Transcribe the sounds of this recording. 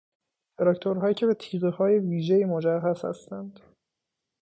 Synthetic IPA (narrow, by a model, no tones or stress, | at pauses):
d̪eɾɒct̪ʰoɾɦɒːjiːcʰe̞be̞t̪ʰiːɣehɒːje̞viːʒejiːmod͡ʒæhɦæz̥hæ̰st̪ænd̪̥